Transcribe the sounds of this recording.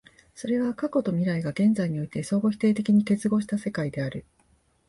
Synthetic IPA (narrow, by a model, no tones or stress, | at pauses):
so̞ɾe̞βakako̞t̪o̞mʲiɾaiɡaɡẽ̞nd͡zaiɲ̟io̞it̪e̞so̞ːɡo̞çʲi̥t̪e̞ːt̪e̞kʲiɲ̟ike̞t͡sɨɡo̞ɕi̥t̪ase̞kaid̪e̞aɾɯ̟